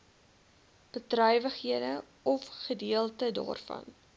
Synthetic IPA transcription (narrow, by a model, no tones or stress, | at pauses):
b̥ətrœjvəχɦiədə | ɔfχədiəlˠtədɑ̰ːrfɐ̰n